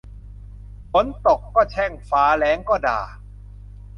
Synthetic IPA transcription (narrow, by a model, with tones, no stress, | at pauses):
mo˨˦˥nt̪o˨˩kːɔː˥˩t͡ɕʰɛː˥˩ŋfaː˨˦˥lɛː˨˦˥ŋkɔː˥˩da̰ː˨˩